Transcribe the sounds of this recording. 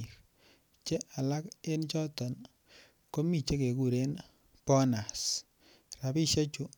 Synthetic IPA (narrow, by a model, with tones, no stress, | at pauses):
ɾ | t͡ʃe˦ʔa˨la˦ke˦nt͡ʃɔ˦tɔ˨n | ko˦mi˦˨t͡ʃe˦ke˨ku˨ɾe˦n | pɔ˦na˨s | ra˨bi˦ʃe˦t͡ʃu˦